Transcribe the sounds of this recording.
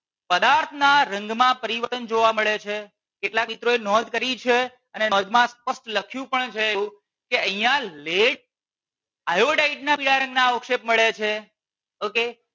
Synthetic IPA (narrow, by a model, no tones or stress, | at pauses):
pəd̪aɾt̪ʰnaɾə̃ŋɡmãpəɾiʋət̪ənd͡ʒoʋaməɭet͡ʃʰe | keʈlakmit̪ɾoenɔd̪kəɾit͡ʃʰe | ənenɔd̪mãspəsʈləkʰjũpəɳt͡ʃʰeeũ | keəɦijãleʈ̚ | ajoɖaiʈnapiɽaɾə̃ŋɡnaokʃep̚məɭet͡ʃʰe | oke